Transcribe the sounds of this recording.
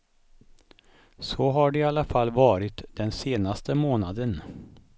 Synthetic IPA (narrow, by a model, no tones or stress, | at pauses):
sɔɦaɖɛalːafalːvɑːɾɪt̪d̪ɛnseːnast̪ʰəmoːnad̪ən